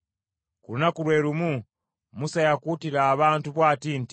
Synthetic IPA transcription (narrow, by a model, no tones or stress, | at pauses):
kulunakulweːɾumu | musajakutiɾaːβaːntuβwaːtiːnti